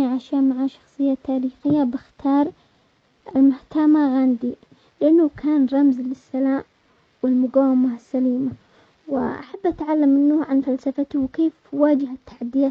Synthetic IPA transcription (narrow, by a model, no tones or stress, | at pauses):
ʕaʃamaʕaʃɑ̥xsˤɨjːat̪ːaːɾiːxɪjːabɪxt̪ʰɑːɾˤ | ɪlmʊht̪amaɣand̪i | lɪʔanːaʊkʰaːnɾˤɑmzlɪsːalaːm | wɪlmʊɡaːwɪmasːaliːma | wɪʔa̰ħabːʔat̪ʕalːamːɪnːʊʕanfalsafat̪ʊwkeːfwaːd͡ʒɪhat̪ːḁħad̪ːɪjaː